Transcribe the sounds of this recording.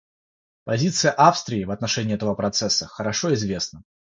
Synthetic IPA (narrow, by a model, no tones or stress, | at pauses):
pɐzʲit̪sɨjəʔafst̪ɾʲɪːvɐt̪nɐʂɛnʲɪːɛt̪əvəpɾɐt̪sɛsːəxəɾɐʂoɪzvʲe̞snə